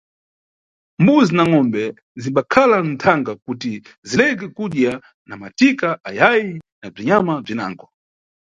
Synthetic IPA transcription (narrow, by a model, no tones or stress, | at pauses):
mbuzinaŋɔmbɛ | ziɓakʰalan̩tʰaŋɡakutizilɛk̬ɛkuɗja | namatikaʔajajinab͡ʐiɲamab͡ʐina̰ːŋɡɔ